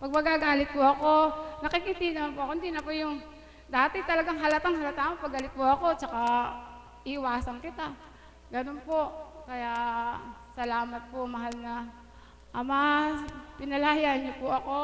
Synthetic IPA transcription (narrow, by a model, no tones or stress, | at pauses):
pɐɡ̚mɐɡaɡaːlɪt̪̚pʊʔɐko̞nɐkɪkit̪inɐmanpʊʔɐkoɪnd̪inɐpʊjʊŋ | d̪aːt̪ɪt̪ɐlɐɡaŋɦɐlɐt̪aŋhɐlɐt̪amopɐɡalɪt̪̚pʊʔɐko̞t͡ʃɐka | ʔɪʔɪwaːsɐnkɪt̪a | ɡɐnonpokɐjaʔsɐlaːmɐt̪̚pomɐɦalnɐ | ʔɐma | pɪnɐlaːjaɲɲopʊʔɐko